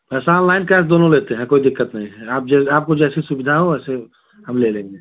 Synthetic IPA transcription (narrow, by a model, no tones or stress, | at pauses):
pɛːsaɔːnlaːɪnkɛːs̬d̪oːnõleːt̪eɦɛ̃koːid̪ɪkːət̪nɐɦĩɦɛaːp̚d͡ʒɛaːp̚kod͡ʒɛːsisubɪd̪ʱaɦoɛːse | həmlelẽːŋɡe